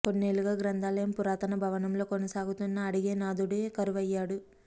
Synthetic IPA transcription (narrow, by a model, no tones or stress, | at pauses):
t̪o̞nːe̞ːluɡaːɡɾɐnd̪ʱaːlɐjɐmpuɾaːt̪ɐnɐbʱɐʋɐnɐmlo̞ːkonɐsaːɡut̪unːɐːɽiɡe̞ːnaːd̪uɽeːkɐɾuʋɐjːaːɽu